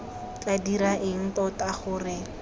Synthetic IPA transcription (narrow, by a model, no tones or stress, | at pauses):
t͡ɬʼadiɾaʔɪŋ̩kɔtaχʊːrɪ